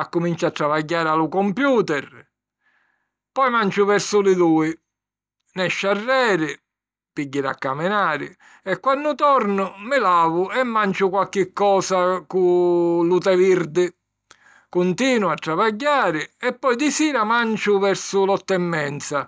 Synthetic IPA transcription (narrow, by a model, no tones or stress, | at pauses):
akːʊmint͡ʃat̪ːɾavaɟːaːɾɪalʊkɔmpjuːt̪ɛɾ | pɔjmant͡ʃʊvɛɾsʊlɪd̪uːɪ | nɛʃːarːɛːɾɪ | piɟːɪɾa̰kːamɪnaːɾɪ̰ | ɛkːwanːʊt̪ɔɾnʊmɪlaːvʊɛmːant͡ʃʊkwalk̟ɪkːɔːsakulut̪ɛviɾd̪ɪ | kʊnt̪iːnwat̪ːɾavaɟːaːɾɪɛpːɔjd̪isiːɾamant͡ʃʊvɛɾsʊlɔt̪ːɛmːɛnt̪sa